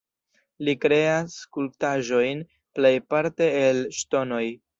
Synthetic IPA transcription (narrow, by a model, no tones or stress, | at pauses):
likɾe̞askultaʒo̞jn | ple̞jpaɾte̞ːlʃto̞no̞j